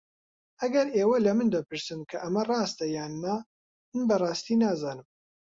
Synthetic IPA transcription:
ʔɐɡɐɾeːwɐlɐmɨnd̪ɐpɨɾsɨmkʰɐʔɐmɐrˤɑːst̪ɐjaːnːa | mɨnbɐrˤɑːst̪iːnaːzaːnɨm

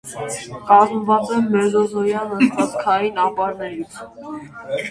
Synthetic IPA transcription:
kɑzmvɑt͡sɛmːɛɾzɔzɔjɑnəɑt͡skʰɑjinɑpɑɾnɛɾit͡sʰ

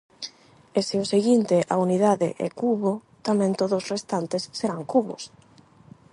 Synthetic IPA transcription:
eseʊseɣint̪ɪʔa̰uniðaðɪ̰ʔɛ̰kuβʊ | t̪amɛ̃nt̪oðʊsrest̪ant̪ɪsːeɾaŋkuβʊ̰s

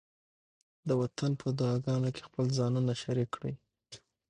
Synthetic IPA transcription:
d̪əwat̪ʰanpʰəd̪ʊɑɡɑnokʰe̥xpəlzɑnunaʃaɾikːɽij

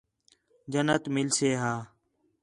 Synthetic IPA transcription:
d͡ʒənət̪mɪlseːɦaː

